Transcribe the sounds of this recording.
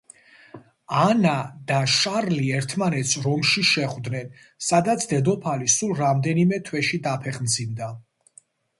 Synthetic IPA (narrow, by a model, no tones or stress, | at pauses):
anad̪aʃaɾliɛɾt̪ʰmanɛt̪sʰɾɔmʃiʃɛχvd̪nɛn | sad̪at̪sʰd̪ɛd̪ɔpʰalisulˠɾamd̪ɛnimɛt̪ʰwɛʃid̪apʰɛχmd̪zimd̪a